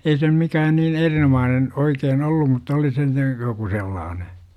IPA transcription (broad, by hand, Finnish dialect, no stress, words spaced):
ei se nym mikæːn niːn erinomɑːnen oikeːn olːum mutːɑ oli se nyt joku selːɑːne